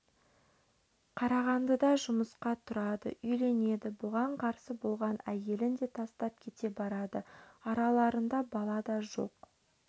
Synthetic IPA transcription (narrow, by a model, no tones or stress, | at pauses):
qʰɑɾɑʁɑnd̪əd̪ɑʒʊməsqɑt̪ʰʊɾɑd̪ə̰ʔʏjle̞ne̞d̪ɪbʊʁɑɴqʰɑɾsəbo̞lˠʁɑnæje̞lɪnd̪e̞t̪ʰɑst̪ɑp̚kʲʰe̞t̪e̞bɑɾɑd̪əɑɾɑlˠɑɾənd̪ɑbɑlˠɑd̪ɑʒo̞̰q